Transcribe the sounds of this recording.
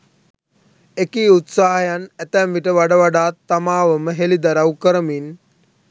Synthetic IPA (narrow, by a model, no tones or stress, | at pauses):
ekiːut̪saːɦəjanæt̪ɛmʋiʈəʋaɖəʋaɖaːt̪ːamaːʋəməɦelid̪aɾawkəɾəmin